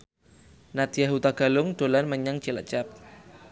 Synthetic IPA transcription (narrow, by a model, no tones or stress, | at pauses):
nat̪jaɦut̪aɡ̥alʊŋɖ̥olanməɲaŋ̥t͡ʃila̰̥d͡ʒap̚